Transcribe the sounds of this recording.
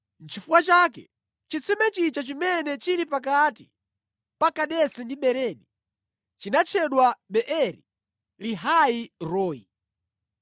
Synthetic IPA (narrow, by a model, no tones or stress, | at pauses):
n̩t͡ʃʰifuwat͡ʃakɛ̰ | t͡ʃit͡sʰɛmɛt͡ʃit͡ʃat͡ʃimɛnɛt͡ʃiɾipak̬atḭ | pakaɗɛsɛndiɓɛɾɛːni | t͡ʃinat͡ʃʰɛɗwaɓɛʔɛɾi | liɦaiɾɔːi